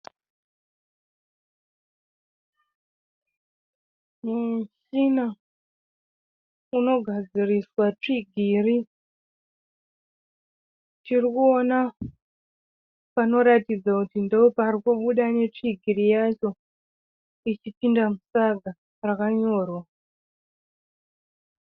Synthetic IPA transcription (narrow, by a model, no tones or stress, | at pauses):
muʃina | uno̞ɡʱad͡ziriswat͡ʂiɡʱiːri | tirikuo̞na | pano̞ɾatid͡zakutindeoparikuɓuɗane̞t͡ʂiɡʱirijat͡ʃo̞ | it͡ʃipindamusaɡʱa | rakaɲo̞ːrwa